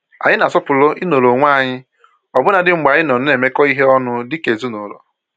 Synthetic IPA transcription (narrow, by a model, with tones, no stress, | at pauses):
a̰˨ɲɪ˦na˨sɔ˦pʊ˨lo˦ʔi˦no˨lo˨ŋʷa˦˨ɲɪ˦ | ɔ˨bʊ˦na˨dɪ˦ŋ͡m̩˨ɡ͡ba˨ɲɪ˦nɔ˨nʊ˦ne˨me˦kɔ˦i˦ɦe˦ɔ˦nʊ˦dɪ˦ke˨zu˦no˨lo̰˨